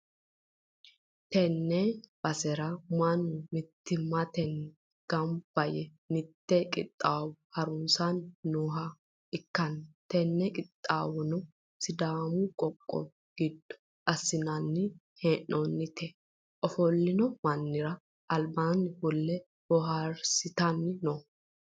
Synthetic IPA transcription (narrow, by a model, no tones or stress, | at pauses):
t̪ɛnːɛb̥ɐsɛɾɐmɐnːʊmɪt̪ːɪmːɐt̪ɛn | ɡ̥ɐmb̥ɐjɛ | nɪt̪ːɛkʼɪ̰t̪ʼːaːwhɐɾʊnsanːoːɦɐ | ɪkːɐnt̪ɛnːɛkʼɪt̪ʼːaːwɔnɔ | sɪd̪aːmʊkʼɔkʼːɔ̰ | ɡ̥ɪd̪ːʊ̥ | ʔɐsːɪnɐnːɪ | hɛnːɔnːɪt̪ʰɛ | ʔɔfɔlːɪnɔmɐnːɪɾɐ | ʔɐlbaːnɪbɔlːɛ | bɔɦɐɾsɪt̪ɐnːnɔ